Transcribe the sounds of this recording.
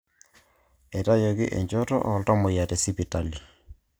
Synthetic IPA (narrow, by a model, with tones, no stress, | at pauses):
e˨ta˦jɔ˨ɡɪ̰˦ʔḛ˨ɲd͡ʒɔ˦tɔ̰˦ʔɔ˨ltɔ˦mʊ˨ja˨tɛ˨si˦pi˨ta˨li˨